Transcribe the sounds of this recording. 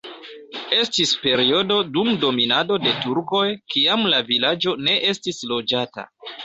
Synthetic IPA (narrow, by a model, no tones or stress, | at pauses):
e̞stispe̞ɾio̞do̞dumdo̞minado̞de̞tuɾko̞jkiamlavilad͡ʒo̞ne̞ʔe̞stislo̞d͡ʒata̰